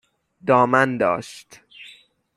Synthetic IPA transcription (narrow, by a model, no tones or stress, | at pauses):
d̪ɒːmænd̪ɒ̰ːʃt̪